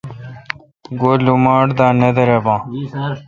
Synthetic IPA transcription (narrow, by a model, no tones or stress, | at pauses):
ɡoːlumaːɽd̪ãːned̪ɐɾebãː